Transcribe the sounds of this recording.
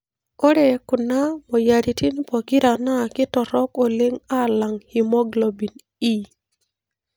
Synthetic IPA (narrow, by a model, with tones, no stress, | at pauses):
o˦ɾe˨kʊ˨na˦mo˨ja˨ɾi˨ti˦npɔ˨ki˦ɾa˨na˦˨kɪ˦tɔ˨ɾɔ˦ko˨le˦ŋa˦˨la˨ŋhi˨mɔ˦ɡlo˨bi˨n | i˦